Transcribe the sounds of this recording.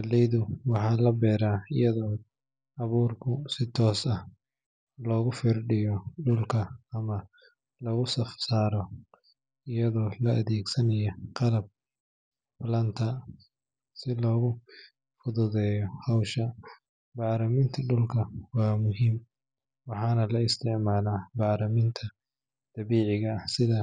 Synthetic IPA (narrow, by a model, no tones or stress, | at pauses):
lɛjðʊwɑħɑːlɐbɛːɾaːɪ̰jɐðɔː | ɑβuːrkʰʊsɪt̪ʰɔːsɐh | lɔːɣʊfirɖɪjɔɖʊlkʰɐːmɐ | lɔːɣʊsɐfsaːɾɔ | ɪjɐðɔːlɐɐðɛːɡsɐnɐjɔqɑlɐb̚ | bɐlɐnt̪ʰɐ | sɪlɔːɣʊ | fʊðʊðɛːjɔhɐwʃɐ | bɑːɾɐmɪnt̪ʰɐɖʊlkʰɐwɑːmʊɦiːm | wɑħɑːnɐlɐɪst̪ʰɪʕmaːlaːbɑːɾɐmɪnt̪ʰɐ | d̪̥ɑβiːʕɪɣɐːsɪðɐ